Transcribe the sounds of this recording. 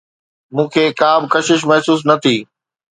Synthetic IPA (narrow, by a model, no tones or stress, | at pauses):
mũːkʰeːkaːbkɐʃɪʃmɐɦsuːs̬nɐt̪ʰiː